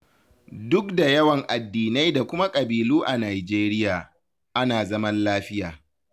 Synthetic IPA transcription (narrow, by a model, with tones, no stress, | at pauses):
dʊ˦k̚da˨jɐ˦wɐ˨ŋʔa˨dːiː˨na˦jda˨kʷʊ˦ma˦kʼɐ˨biː˨luː˦ʔa˨naː˨jd͡ʒeː˦ɾɪ˦jaː˨ | ʔa˦naː˨zɐ˦mɐ˦nlaː˦ɸɪ˦jaː˨